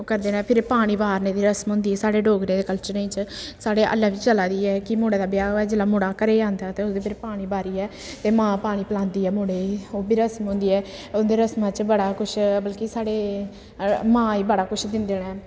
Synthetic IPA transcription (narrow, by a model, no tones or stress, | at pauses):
okəɾd̪eːnɛːpʰɪɾpaːɽ̃iːbaːɾneːd̪iːɾəsmɦʊ̃ːnd̪iːɛːsaːɽeːɖoːɡɾẽːd̪eːkəlt͡ʃəɾẽːt͡ʃsaːɽeːʔə̰lːaːʋit͡ʃt͡ʃəlaːd̪iːɛːkɪmoːɽeːd̪aːbjaːoːɛːd͡ʒɪlaːmʊɽaːkəɾeːd͡ʒãːnd̪aːt̪eːʊsd̪eːpʰɪɾpaːɽ̃iːbaːɾiːɛː | t̪eːmãːpaːɽ̃iːpəlãːnd̪iːɛːmoːɽeːoːbiːɾəsmɦʊ̃ːnd̪iːɛː | ʊd̪eːɾəsmãːt͡ʃbəɽaːkʊʃʰbəlkisaːɽeː | mãːiːbəɽaːkʊʃʰd̪ɪnd̪eːnɛ̃ː